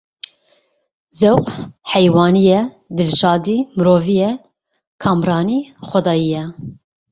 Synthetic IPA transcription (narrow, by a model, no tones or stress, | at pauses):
zɛwqhɛjwɑːnijɛ | d̪ɨlʃɑːd̪iːmɨɾoːvijɛ | kʰɑːmɾɑːniːxʷɛd̪ɑːjijɛ